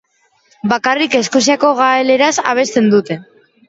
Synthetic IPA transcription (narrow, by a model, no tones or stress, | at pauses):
bakarike̞sko̞siako̞ɣaele̞ɾasa̰β̞e̞st̪e̞nd̪ut̪e̞